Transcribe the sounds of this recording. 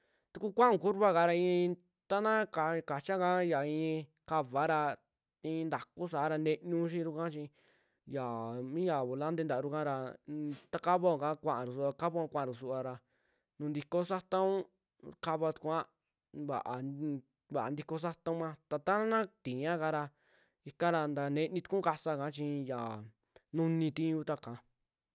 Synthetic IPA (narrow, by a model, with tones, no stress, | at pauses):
t̪u˧ku˦kʷã˦ũ˧ku˦ɾβa˦ka˧ɾa˧ĩ˧ | t̪a˦nã˦ka˧ka˨t͡ʃa˦kã˦ja˨ĩ˧ĩ˧ | ka˧βa˨˦ɾa˧ | t̪ĩ˧nd̪a˨ku˦s̬a˨˦ɾa˧ne˧ɲũ˦ʃ̬ĩ˦ɾu˧kã˦t͡ʃĩ˧ | ja˨mĩ˦ja˨βo˨la˦nd̪e˧nd̪a˨˧ɾu˧kã˦ɾa˧t̪a˦ka˦βo˦˨kã˦kʷã˧ʔã˨ɾu˨s̬u˧a˧ka˦βa˦a˧kʷã˦˧ʔã˨˧ɾu˨su˧a˧ɾa˧ | nũ˧nd̪i˧ko˦sa˦t̪ã˦ũ˦ | ka˦˧βa˧t̪u̥˧kʷã˦ | βa̰˨ʔa˧ | βa˨nd̪i˧ko˧s̬a˦t̪ã˦ũ˦ã˧t̪a˧t̪a˦a˦nã˦t̪ĩ˨ɲã˦ka˧ɾa˧ | i˧kã˦ɾa˧nd̪a˧nẽ˧nĩ˧t̪u̥˧kũ˦ka˧sa˧ka˧˦t͡ʃĩ˧ja˨ | nũ˧nĩ˧t̪ĩ˦˧u˧˦t̪a˦kã˧